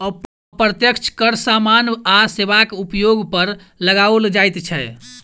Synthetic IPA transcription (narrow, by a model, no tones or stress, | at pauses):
əp | pɾət̪jəkt͡ʃʰkəɾsamanasebakupjoɡpəɾ | ləɡaold͡ʒajt̪t͡ʃʰɛ